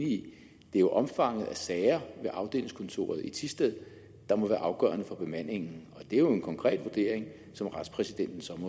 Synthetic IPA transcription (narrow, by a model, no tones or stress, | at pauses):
nii | d̥e̝æɐjo̝ʔɒ̽mfɑ̈ŋ̰ð̩ˠæsɛːɪɐʋe̝ʔɑ̈ʊd̥e̝̰ːleŋskʰɔ̽nt͡sʰo̝̰ːɐðˠit͡sʰisd̥eð̰ˠ | d̥ɑ̈mɒ̽ʋæːɐʔɑ̈ʊɡ̥ɶ̰ɐnəfɒ̽b̥e̝mæn̰e̝ŋn̩ɒ̽d̥e̝æjo̝e̝nkʰɒ̽ŋkʰʁɛ̰ːd̥ʋuɐd̥e̝̰ɐeŋ | sɒ̽mʁɑ̈d̥spʰʁɛsid̥en̰d̥n̩sɒ̽m